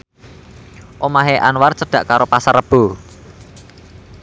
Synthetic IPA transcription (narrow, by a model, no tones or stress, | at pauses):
ʔomaɦeʔa̰nwart͡ʃəɖ̥ä̤ʔkaɾopasarəb̥o̤